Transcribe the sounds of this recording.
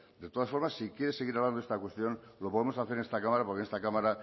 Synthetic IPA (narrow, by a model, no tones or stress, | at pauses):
d̪e̞t̪oðasfoɾmasːikje̞ɾese̞ɣiɾaβland̪oe̞st̪akwe̞st̪jo̞nlo̞po̞ðemo̞saθeɾenest̪akamaɾapoɾkenest̪akamaɾa